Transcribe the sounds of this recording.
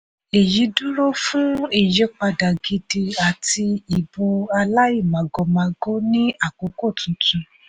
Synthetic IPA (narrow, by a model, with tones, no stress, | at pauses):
e˨ji˨˦du˦ɾo˦fũ˦e˦˨je˦k͡pa˧da˨ɡi˧di˧a˨ti˧i˨bo˧a˧la˦i˦˨mã˨ɡo˨˧mã˧ɡo˦nĩ˦a˦˨k͡po˨˦ko˦˨tũ˨˦tũ˧